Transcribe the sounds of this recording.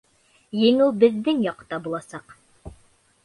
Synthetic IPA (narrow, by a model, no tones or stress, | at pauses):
jɘ̆ŋuwˠbɘ̆ðːɘŋjɑqt̪ɑbulˠɑsɑq